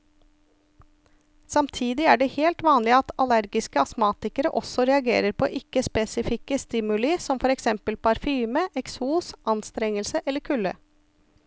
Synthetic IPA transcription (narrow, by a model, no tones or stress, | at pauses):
sɑmt̪ʰiːd̪ɪæːɖɛheːlt̪ʋɑːnlɪɑt̪ɑlæɾɡɪskəɑsmɑːt̪ɪkəɾəʔɔsɔɾɛɑɡḛːɾəɾpʰɔʔɪkːəspɛsɪfɪkəst̪ɪmʉləsɔmfɔɾɛksɛmpəlpʰɑɾfyːməʔɛksuːsʔɑnst̪ɾɛŋəlsəʔɛlːəɾkʰʉlːə̰